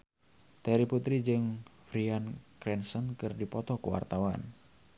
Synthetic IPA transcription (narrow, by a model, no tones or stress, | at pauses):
t̪ɛɾiput̪ɾid͡ʒɨŋfɾiankɾɛnsənkɨrdipɔt̪ɔkuwa̰rt̪awan